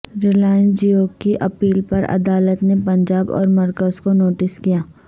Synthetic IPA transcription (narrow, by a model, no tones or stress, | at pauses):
ɾɪlaːɪ̃nd͡ʒioːkiʔɐpiːlpɐɾɐ̰d̪aːlət̪nepɐ̃ɲd͡ʒaːbɔ̰ːɾmɐɾkəzkonoːʈɪskijaː